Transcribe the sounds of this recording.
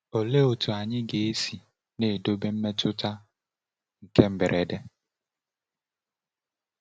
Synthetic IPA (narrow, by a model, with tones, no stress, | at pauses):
o˨le˦o˨tu˨a˨ɲɪ˦ɡe˨e˦si˨ | ne˨do˦be˦m̩˦me˦tʊ˦ta˦ | ŋ̩˨ke˦m̩˦be˨ɾʔe˨de˦